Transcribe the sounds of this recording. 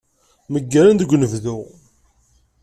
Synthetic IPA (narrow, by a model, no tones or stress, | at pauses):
məɡːæɾand̪ɡʷnəvðu